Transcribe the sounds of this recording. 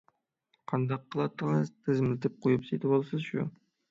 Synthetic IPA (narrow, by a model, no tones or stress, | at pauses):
qʰɑnd̪ɑqːəlˠɑt̪ːəʁəzt̪ʰɪzmlʲɪt̪ʰɪp̚qʰojɨpset̪ɪbolˠsɨzʃṵ